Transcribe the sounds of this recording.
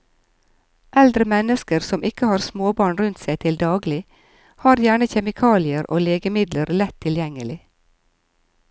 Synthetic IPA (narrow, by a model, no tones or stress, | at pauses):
ʔɛld̪ɾəmɛnəskəɾsɔmɪkəhɑːɾsmoːbɑːɳɾʉnt̪sæɪt̪ʰɪld̪ɑːɡlɪ | hɑːɾjæːɳəçɛmɪkʰɑːlɪəɾʔo̰ːleːɡəmɪd̪ləɾlɛt̪ʰːɪljɛŋəlɪ